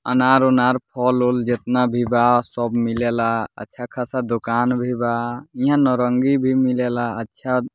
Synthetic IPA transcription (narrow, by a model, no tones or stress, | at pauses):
ə̰naɾonaɾpʰɔlold͡ʒet̪nabʱibasɔbmilelaə̰tːʃʰakʰasad̪okanbʱibaĩɦãnɔɾəŋɡibʱimilelaətːʃʰa